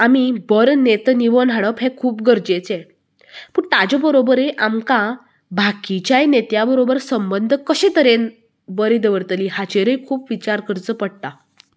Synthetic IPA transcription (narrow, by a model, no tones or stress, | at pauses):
amibəɾnet̪niʋənɦaɽəpɦekʰuːpɡəɾd͡ʑet͡se | puːɳt̪ad͡ʑɔbəɾobəɾeʔamkã | bʱakit͡ɕajnet̪jabəɾobəɾsəmbənd̪ʱkəɕet̪əɾen | bəɾid̪əʋəɾt̪liɦat͡ɕeɾəjkʰuːpʋit͡ɕaɾkəɾt͡səpəɽ̚t̪a